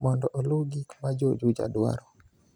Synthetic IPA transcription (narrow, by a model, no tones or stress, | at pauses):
mɔndɔʔɔluɡikmad͡ʒod͡ʒud͡ʒa̰dwa̰ɾɔ